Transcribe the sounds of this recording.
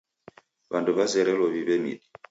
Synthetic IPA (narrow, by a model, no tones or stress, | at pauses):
banduβazɛɾɛlɔβiβɛmḭɗi